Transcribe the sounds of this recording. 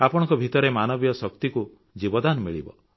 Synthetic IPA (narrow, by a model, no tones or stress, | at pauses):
apɔɽ̃ɔ̃ŋkɔbʱit̪ɔɾemanɔbijɔsɔkt̪iku | d͡ʒibɔd̪anmiɭḭbɔ̰